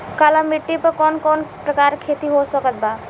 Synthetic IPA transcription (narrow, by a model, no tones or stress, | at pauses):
kalamiʈːipəɾkɔnkɔnpɾəkaɾkʰet̪iɦosəkət̪̚ba